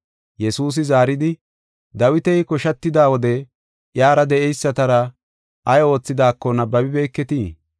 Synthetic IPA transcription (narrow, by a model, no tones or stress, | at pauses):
jɛsuːs̬ɪzaːɾɪd̪ɪ | d̪ɐwɪt̪ɛjkɔʃɐt̪ːɪd̪aːwɔd̪ɛ | ʔjaːɾɐd̪ɛʔɛjsːɐt̪ɐɾɐ | ʔɐjo̞ːt͡sːɪd̪aːkːɔnɐbɐbɪbe̞ːkːɛt̪iː